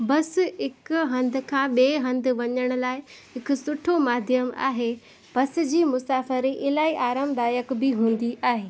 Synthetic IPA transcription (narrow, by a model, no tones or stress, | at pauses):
bɐs̆ɪkɦɐ̃nd̪ɪ̆kʰãːɓeːɦɐ̃nd̪ʱɪ̆ʋɐɲəɽ̃ʊlaːɪɦɪkʊ̆sʊʈʰomaːd̪ʱjəma̰ːɦe | b̥ɐsɪ̆d͡ʑiːmʊsaːfəɾiʔɪlaːiʔaːɾəmd̪aːjəkbɪɦũːnd̪iʔaːɦeː